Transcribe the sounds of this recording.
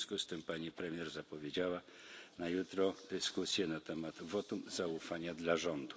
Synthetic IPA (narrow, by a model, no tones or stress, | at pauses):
skust̪ɘmpaɲipɾɛmʲjɛɾzapɔvʲjed͡ʑawanajut̪ɾɔd̪̥ɘskusʲjɛnat̪ɛmad̪̥vɔt̪umzaufaɲad̪laʐɔnd̪u